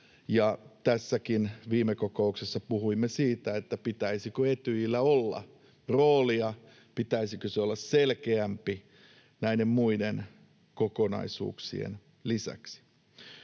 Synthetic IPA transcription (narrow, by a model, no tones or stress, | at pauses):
jɑt̪æsːækinʋiːmekokouksesːɑpuhuimːesiːt̪æet̪ːæpit̪æisikøet̪yilːæolːɑ̰ | roːliɑ | pit̪æisikøseolːɑsselkeæmpi | næidemmuiden | kokonɑ̰isṵːksḭḛn | lisæ̰ksi̥